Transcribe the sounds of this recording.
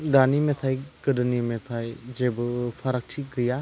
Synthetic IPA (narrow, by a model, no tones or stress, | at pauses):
d̪aːnimẽt̪ʰajkədnimẽt̪ʰajd͡ʒebpʰɐɾək̚ʈʰiɡija